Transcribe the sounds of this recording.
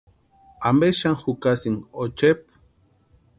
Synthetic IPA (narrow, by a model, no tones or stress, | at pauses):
ambeʃaŋxukasiŋot͡ʃep̚